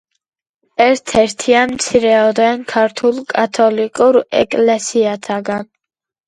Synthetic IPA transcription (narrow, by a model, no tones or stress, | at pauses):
ɛɾt̪ʰɛɾt̪ʰianmt̪sʰiɾɛɔd̪ɛnkʰaɾt̪ʰulˠkʼat̪ʰɔlikʼuɾɛ̰kʼlɛsiat̪ʰaɡan